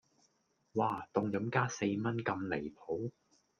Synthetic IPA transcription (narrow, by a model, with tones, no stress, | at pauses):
waː˧˩t̪ʊ˧ŋjɐ˨˥mkaː˥se˧jmɐ˥nkɐ˧mle˨˩jpʰo˨˥w